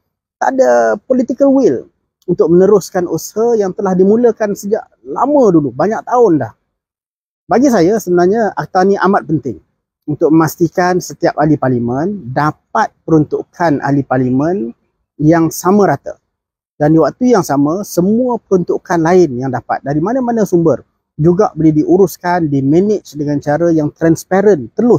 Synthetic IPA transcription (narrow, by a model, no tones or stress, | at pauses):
t̪a̰dəpolit̪ikəlwɪl | unt̪ʊk̚mənəɾʊskanʔushajaŋt̪əlahdimũləkansəd͡ʒa̰ʔ | la̰mə̃dulubaɲak̚t̪aʊndah | baɡis̬ajasəbənarɲaa̰k̚t̪anĩʔamat̪̚pənt̪ɪŋ | unt̪ʊk̚məmast̪ikansət̪iap̚aliparlimə̃ndap̚at̪̚pəɾunt̪uʔkʰanʔa̰liparlimə̃n | jaŋsamə̃ɾat̪a̰ | dandiwak̚t̪ujaŋsamə̃səmuəpəɾunt̪uʔkanlaɪnjaŋdapa̰t̪̚daɾimanəmanəsumbər | d͡ʒuɡa̰ʔbəlidiʔuɾʊskandimɛnɪt͡ʃdəŋant͡ʃaɾajaŋt̪ɾanspaɾənt̪əlʊs